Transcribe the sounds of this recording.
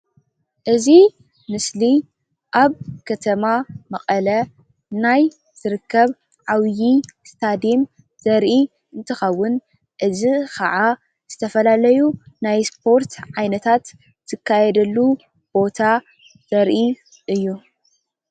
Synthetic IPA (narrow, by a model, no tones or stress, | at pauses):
ʔɨzi | mɨsli | ʔaβkʰɐt̪ʰɐmamɐqʼɐlɐ | naj | z̥ɨɾɨkʰːɐβ | ʕawjist̪ʰad̪im | z̥ɐɾʔi | ʔɨnt̪ʰɨxɐwːʊn | ʔɨzikʰɐ̰ʕa | z̥ɨt̪ʰɐfɐlalɐjunajspʰo̞ɾt̪ʰʕajnɐt̪ʰat̪ː | ɨkʰːajɛd̪ɐlːu | b̥o̞t̪ʰa | z̥ɐɾʔi | ʔɨjːu